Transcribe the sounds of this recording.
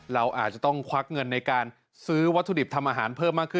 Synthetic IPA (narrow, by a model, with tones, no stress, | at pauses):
ɾa˧wʔa̰ː˨˩t̪̚t͡ɕa˨˩t̪ɔ˥˩ŋkʰwa˦˥k̚ŋɤ˧nːa˧jkaː˧n | sɯː˦˥wa˦˥t̪ʰːu˧di˨˩p̚t̪ʰa˧mʔaː˧ɦaː˩˦npʰɤː˥˩mːaː˥˩kʰːɯ˥˩